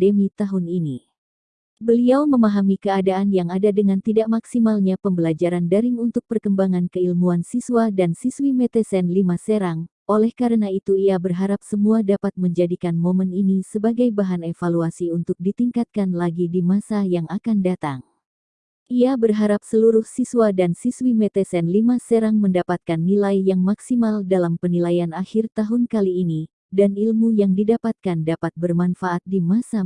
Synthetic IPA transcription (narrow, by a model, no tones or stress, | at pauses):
demit̪aɦunini | bəliawməmaɦamikəadaːnjaŋadadəŋant̪idaʔmaksimalɲapəmbəlad͡ʒaɾandaɾɪŋunt̪ʊk̚pərkəmbaŋankəilmuansiswadansiswimɛt̪ɛsɛnlimasəɾaŋʔolɛhkaɾənait̪uiabərɦaɾap̚səmuadapat̪̚məɲd͡ʒadikanmoməninisəbaɡajbaɦanefaluasiunt̪ʊk̚dit̪iŋkat̪̚kanlaɡidimasajaŋakandat̪aŋ | ʔiabərɦaɾap̚səluɾʊhsiswadansiswimɛt̪ɛsɛnlimasəɾaŋməndapat̪̚kanːilajjaŋmaksimaldalampənilajanaxirt̪aɦʊnkaliːni | danilmujaŋdidapat̪̚kandapat̪̚bərmanfaʔat̪̚dimasa